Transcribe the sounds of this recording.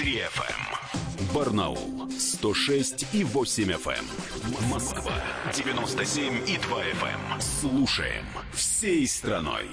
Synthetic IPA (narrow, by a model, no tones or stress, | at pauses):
t̪ɾʲiɛfɛ̰mbərnɐ̰ṵlˠst̪oʂɛsʲtʲivosʲɪmʲɛfɛ̰m | mɐskva̰dʲɪvʲɪnost̪əsʲemʲid̪vaɛfɛ̰mslˠuʂə̰jɪ̰mfsʲejst̪ɾɐno̰j